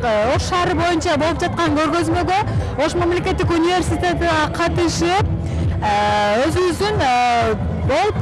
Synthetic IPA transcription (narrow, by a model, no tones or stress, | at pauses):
o̞sʃɑɾəbo̞jənʃɑbo̞lˠəp̚ʒɑt̪̚qɑŋkʲʰɵɾɡʲøzme̞ɡʲe̞ | o̞ʃmamle̞kʲe̞t̪ːɪkunijve̞rsijt̪ʲe̞t̪ɪd̪ɑqʰɑt̪əʃɪp̚ | wɵzɪŋʏzd̪ɪn | bo̞lˠp